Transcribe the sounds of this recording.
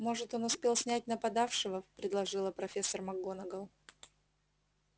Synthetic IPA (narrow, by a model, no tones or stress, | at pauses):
mo̞ʐɨt̪o̞nʊspʲe̞lˠsʲnʲæt̚ʲnəpɐd̪afʂɨvəpɾʲɪd̪lˠɐʐɨlˠəpɾɐfʲe̞sːərmɐɡonəɡəlˠ